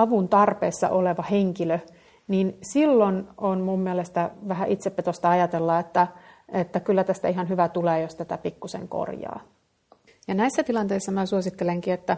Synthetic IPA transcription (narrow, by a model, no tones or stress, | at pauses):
ɑʋunt̪ɑrpeːsːɑ̰ʔoleʋɑheŋkilø | niːnsilːononmumːielest̪æʋæɦæʔit̪sepːet̪ost̪ɑɑjɑt̪elːɑet̪ːæet̪ːækylːæt̪æst̪æiɦɑnɦyʋæt̪uleːjost̪æt̪æpikːusḛŋko̰rjɑ̰ː | jɑnæisːæt̪ilɑnt̪eisːɑmæsuosit̪ːeleŋkiet̪ːæ